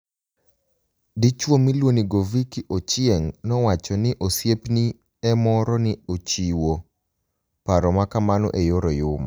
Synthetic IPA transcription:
dit͡ʃwomilwoniɡovikiʔot͡ʃɪeŋnɔwat͡ʃɔnɪʔosjepni | ɛmɔɾɔnɪot͡ʃiwo | paɾɔmakamanɔ̰ʔejoɾɔjʊma

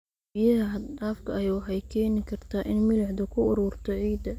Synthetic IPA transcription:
bɪjɐɦɐɦɐd̪aːfkʰɐwɑħɑjkʰɛːnɪkʰɐrt̪ʰaːʔɪnmɪlɪʕd̪ɐkʰʊʊɾuːrt̪ʰɔʕiːd̪ɐ

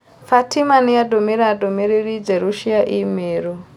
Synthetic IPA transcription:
fatʰimanijadʱomiɾadʱomiɾirid͡zeɾuʃiaʔimeːɾo

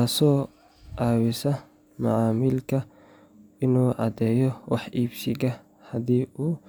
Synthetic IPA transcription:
aːsɔː | ʔaːwɪsɐ | mɐ̰ʕɑːmiːlkʰɐ | ɪnuːʔɑ̰d̪ɛːjɔwɑħʔiːbsɪɣɐ | hɐðiːʔuː

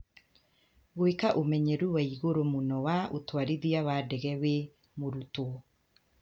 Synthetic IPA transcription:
ɣoekaʔomɛɲɛɾuwaiɣoɾomonɔwaʔotwaɾiðiawadɛɣɛwe | moɾuto

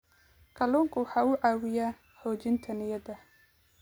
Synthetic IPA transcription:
kʰɐlɔːŋkʰʊwɑħɑːʊʕɑːwɪjaː | ħɔːt͡ʃɪnt̪ʰɐnɪjɐd̪ɐ

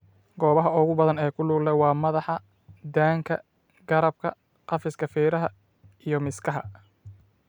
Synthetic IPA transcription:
ɡɔːβɐɦɐʊɣʊbɐðɐnɛːkʰʊluːɡlɛwɑːmɐðɑħɑ | d̪aːŋkʰɐ | ɡɐɾɐb̚kʰɐ̰ | qɑfɪskʰɐfɛːɾɐɦɐ | ijɞmɪskʰɐɦɐ̰

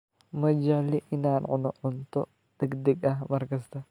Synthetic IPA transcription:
mɐd͡ʒɐʕlɪʔɪnaːnʕʊnɔʕʊnt̪ʰɔ | d̪̥ɛɡd̪ɛɡɐɦmɐrkɐst̪ʰɐ

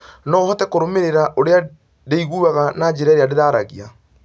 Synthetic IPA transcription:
nɔhɔtɛkoɾomeɾeɾaʔoɾea | deiɣuːaɣanad͡ʑeɾaɾeadeðaːɾaɣia

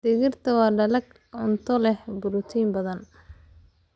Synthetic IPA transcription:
d̪ɪɣɪrt̪ʰɐwɑːɖɐlɐɡ | ʊnt̪ʰɔlɛhbʊɾʊt̪ʰiːmbɐðɐn

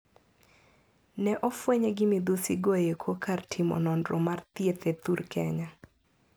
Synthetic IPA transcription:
nɛʔɔfweɲeɡɪmid̪usɪɡojekʰwokʰartʰɪmɔ̰nɔndɾɔmart̪jet̪et̪uɾkʰɛ̰ɲa

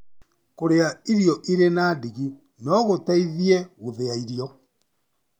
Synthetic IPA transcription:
koɾeaiɾiɔʔiɾenaːdiɣu | nɔɣotaiðieɣoðeaiɾijɔ

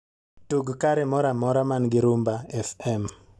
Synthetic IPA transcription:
tuɡkaɾɛmɔɾamɔɾamanɡɪɾumbaɛfɛm

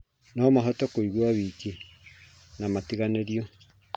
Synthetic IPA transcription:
nɔmaɦɔtɔkoiɣwaβiki | namatiɣaneɾiɔ

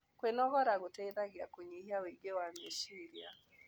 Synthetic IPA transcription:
kwenɔɣɔɾaɣotɛiðaɣjakoɲiɦiaweɡewameʃiɾja̰

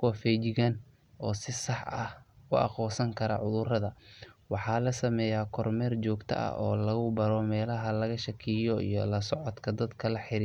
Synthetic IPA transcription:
kʰʊwɐfɛːd͡ʒɪɣan | ʔɔːsɪsɑħɐ̰hʊ̰ʔɑ̰χɔːsɐŋkʰɐɾɐ̰ʕʊðʊrɐðɐwɑħɑːlɐsɐmɛːjaːkʰɔrmɛːrt͡ʃɔːɡt̪ʰɐ̰ʔɐ̰ɔ̰ːlɐɣʊbɐɾɔmɛːlɐɦɐlɐɣɐʃɐkʰijɔḭjɔlɐsɔʕɔd̪kʰɐd̪ɐd̪kʰɐlɐħɪɾi

